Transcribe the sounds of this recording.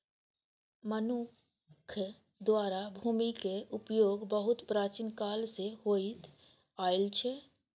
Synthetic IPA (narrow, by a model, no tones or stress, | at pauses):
mənʊ | kʰ | d̪waːɾabʱuːmikeʔʊpjoːɡbəɦʊt̪pɾaːt͡ʃinkaːlseɦoːit̪ | aːɪlt͡ʃʰe